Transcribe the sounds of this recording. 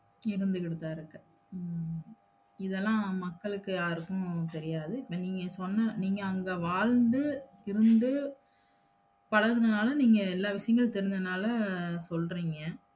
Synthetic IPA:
ɪɾɯnd̪ɯkɪɽɯt̪ːaːɪɾɯkːɯ | ɪðɛlːãːmɐkːɐɭɯkːɯjaːɾɯkːʊ̃t̪ɛɾɪjaːðɯɪpːɐːniːŋɡɐsɔnːɐniːŋɡɐːŋɡɐʋaːɻnd̪ɯ | ɪɾɯnd̪ɯ | pɐɻɐɣɯnɐnaːlɐniːŋɡɐɛlːaːʋɪʂɐjɐŋɡɐɭt̪ɛɾɪɲd͡ʒ̪ɐnaːlɐsɔlriːŋɡɐ

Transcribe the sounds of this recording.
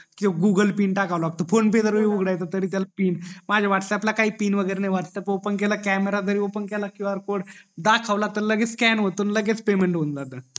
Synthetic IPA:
kioɡuɡəlpiːɳʈakaʋlaʋaɡ̚t̪ofonp̬ed̪əɾəiuɡɽajt̪ət̪əɾiːt̪̬jalapiːnmad͡ʑʱaʋaʈʰsəaplakaɦiːpiːnʋəɡəjɾenajʋaʈʰsəpopənkɛlakæmeɾad̪əɾiopənkɛlakuaɾkoɽd̪akʰaʋlat̪ələɡet͡sskɛnʋot̪unləɡet͡spemeɳʈɦond͡zat̪ə

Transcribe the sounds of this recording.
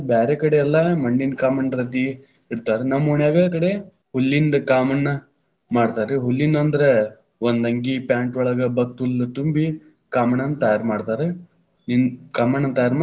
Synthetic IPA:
baːɾekɐɽeɛlːɐmɐɳːinkaːmɐɳɾɐt̪iiɽt̪aːɾenɐmːuɳjaːʋeːkɐɽe | hulːind̪ɐkaːmɐnːɐ | maːɽt̪aːɾeɦulːind̪ɐnd̪ɐɾe | ond̪ɐŋɡipjaːɳʈʋɔɭɐɡɐbɐk̚t̪ult̪umbi | kaːmɐnɐnːt̪ɐjaːɾmaːɽt̪aːɾe | ninkaːmɐnɐnt̪ɐjaːɾma

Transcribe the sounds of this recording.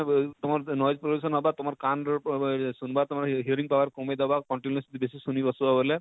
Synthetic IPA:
t̪ʊmaɾnɔjzpɾoɖusɔnɦɔbat̪umaɾkanɾsunbat̪umaɾɦiəɾiŋpawaɾkɔmed̪abakɔɳʈinjɔsit̪ibesisunibɔsubabɔlɛ

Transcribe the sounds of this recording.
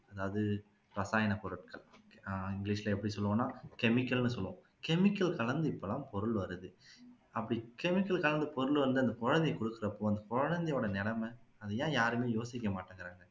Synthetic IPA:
ɐðaːʋɐðɯ | ɾɐsaːjɐnɐkɔɾɐʈkɐɭɪŋɡɪliːʂlɐɛpːɐɽisɔlːɯʋõːnːaːkɛmɪkːɐlnɯsɔlːɯʋõː | kɛmɪkːɐlkɐɭɐnd̪ɯɪpːolãːpɔɾɯɭʋɐɾɯðɯ | ɐpːɐɽikɛmɪkːɐlkɐlɐnd̪ɯpɔɾɯɭʋɐɾnd̪ɯɐnd̪ɐkɔɻɐnd̪ɪkɔɽɯkːɪɾɐpːoːɐnd̪ɐkɔɻɐnd̪ɪjoːɽɐnɪɽɐmɐɐðɐjãːjaːɾɯmeːjoːsɪkːɐmaːʈːaːŋɡɪɾaːŋɡɐ

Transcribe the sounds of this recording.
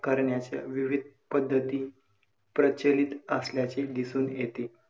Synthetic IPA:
kəɾɳjat͡ɕja̰ʋiʋid̪̚ʱpəd̪ʱːət̪iː | pɾət͡ɕəlit̪əsljat͡sed̪isuːnjet̪e

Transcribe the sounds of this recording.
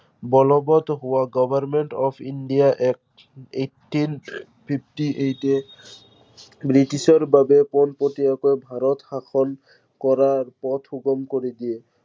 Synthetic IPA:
bɔlɔbɔt̪ɦowaɡɔbʱaɾmeɳʈɔpʰinɖijaʔɛk | eʈːin | pʰip̚ʰʈiʔejte | bɾiʈisɔɹbabepɔnpot̪iakɔjbʱaɾɔt̪hakʰɔl | kɔɾaɹpɔt̪ʰuɡɔmkoɾid̪ie

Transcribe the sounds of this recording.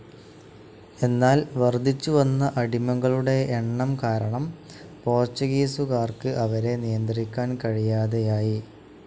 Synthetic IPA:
e̞nːaːlʋɐrd̪ʱit͡ɕːuʋɐnːɐʔɐɽimɐŋɡɐɭuɽe̞ːɳːɐmkaːɾɐɳɐm | po̞ːrt͡ɕuɣiːsukaːrkɨʔɐʋɐɾe̞nijɐnd̪rikʲːaːnkɐɻijaːðejaːji

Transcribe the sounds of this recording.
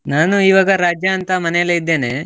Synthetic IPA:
naːnuiːʋaːɡɐɾaːd͡ʒjaːnt̪ɐmɐnɛjɐlːeid̪ːe̞ːne̞

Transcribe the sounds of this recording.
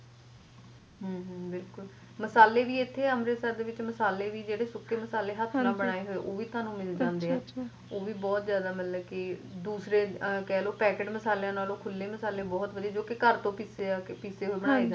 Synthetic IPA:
ɦəːɦbɪlkʊl | məsaːleːʋiːɪt̪ʰːeːəmɾeːsəɾd̪eːʋɪt͡ʃməsaːleːʋiːd͡ʒeːɽeːsʊkʰːeːməsaːleːɦət̪ʰɾãːbəɽ̃aːeːɦoːeʔoːʋiːt̪ʰãːnũːmɪld͡ʒãːnd̪eːɛː | oːʋiːbɔːt̪zjaːd̪aːmət̪ləkɪd̪uːsɾeːkɛːloːpɛːkeːʈməsaːleãːnaːloːkʰʊlːeːməsaːleːbɔːt̪ʋəd̪ied͡ʒoːkɪkəɾt̪õːpɪːseːaːkpɪseːɦoiːbəɽ̃aːeːd͡ʒ

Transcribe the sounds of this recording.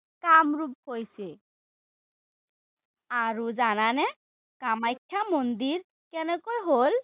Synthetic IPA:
kamɹup̚hojsɛ | aɹuzananɛ | kamajkʰːamond̪iɹ | kɛnɛkojɦol

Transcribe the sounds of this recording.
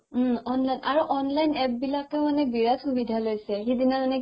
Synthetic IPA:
ɔnlajnʔaɹuʔɔnlajnɛp̚bilakɛʊmanɛbiɹatxubidʱalojsɛxidinamanɛ

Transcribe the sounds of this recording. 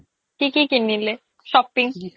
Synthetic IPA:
kikikinːile | ʃɔpiŋ

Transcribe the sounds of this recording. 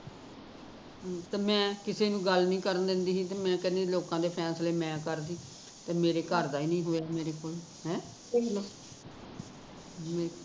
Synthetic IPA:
t̪aːmɛ̃ːkɪseːnũːɡəlnĩːkəɾənd̪ɪ̃nd̪iːɦĩːt̪emɛ̃ːkənẽloːkãːd̪eːpʰɛːsleːmɛ̃ːkəɾd̪iː | t̪eːmeːɾeːkəɾd̪aːiːnĩːɦoːjaːmeːɾeːkoːl | hɛ̃ː | eklaː | me

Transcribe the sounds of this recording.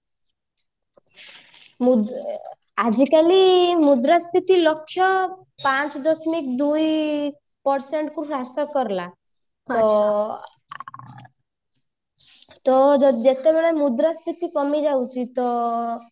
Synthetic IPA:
mud̪ | ad͡ʒikalimud̪ɾaspit̪ilɔkʰːjɔ | pãt͡ʃd̪ɔsmikd̪uj | pɔɾseɳʈkuɾɾasɔkɔɾla | t̪ɔ | t̪ɔd͡ʒɔd͡ʒet̪ebɛɭ̃emud̪ɾaspit̪ikɔmid͡ʒawt͡ʃʰit̪ɔ

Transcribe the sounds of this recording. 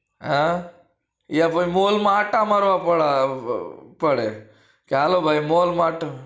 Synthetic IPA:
ɦa | japəmolmaʈamaɾʋapəɽa | pəɽe | kialobʱajmolmaʈ

